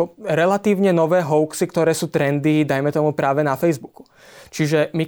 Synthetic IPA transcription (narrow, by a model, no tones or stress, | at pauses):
ɾɛlat̪iːʊɲɛnɔʋɛːɦɔʊksikt̪ɔɾɛːsuːt̪ɾɛnd̪id̪ajmɛt̪ɔmupɾaːʋɛnafɛjzbuku̥ | t͡ʃiʒɛmi